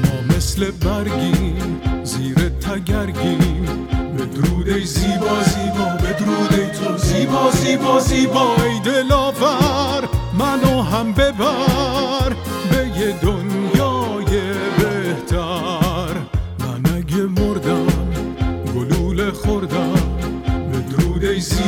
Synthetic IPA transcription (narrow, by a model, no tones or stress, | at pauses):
mɔːmeslebæɾɡimmziːɾet̪ʰæɡæɾɡim | bed̪ɾuːd̪eziːbɒːzibed̪ɾud̪eziːbɔːzibɔziːbɒːjd̪elɒːvæɾmænɔɦæmbebæ | ɾ | bejed̪onjɒːjebeht̪ʰæɾmænæɡemoɾd̪æmɡoluːlexoɾd̪æmbed̪ɾuːd̪ez